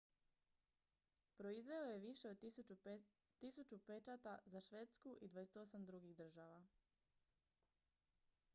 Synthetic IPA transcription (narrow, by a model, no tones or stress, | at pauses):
pɾo̞izʋe̞oje̞ʋiʃe̞od̪u | t̪isut͡ʃupet͡ʃat̪azaʃʋe̞t̪skuʔid̪ʋajeset̪o̞samd̪ɾuɡiɣd̪r̩ʒaʋa